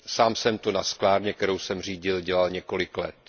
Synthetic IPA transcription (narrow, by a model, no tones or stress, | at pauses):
saːmsɛmt̪onasklaːɾɲɛk̚t̪ɛɾo̞wsɛmr̝iːɟɪlɟɛlalɲɛko̞lɪklɛ̰t̪